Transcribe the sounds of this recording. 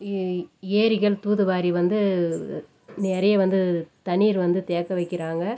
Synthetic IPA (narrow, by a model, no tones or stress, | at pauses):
eːɾɪɣɐɭt̪uːðɯʋaːɾiʋɐnd̪ɯ | neːɾɐjɐʋɐnd̪ɯt̪ɐɳiːɾʋɐnd̪ɯt̪eːkːɐʋɐɪkːɪɾaːŋɡɐ